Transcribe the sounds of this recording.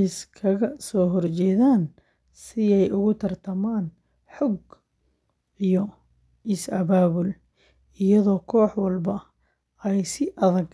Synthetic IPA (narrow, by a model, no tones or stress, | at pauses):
ɪskʰɐɣɐsɔːɦɔrt͡ʃɛːðaːn | sɪɛjʔʊɣʊt̪ʰɐrt̪ʰɐmaːn | ħɔɡ | ijɔ | ɪsɐβaːβʊl | ɪjɐðɔːkʰɔːħwɐlbɐ | ɛjsɪʔɐðɐɡ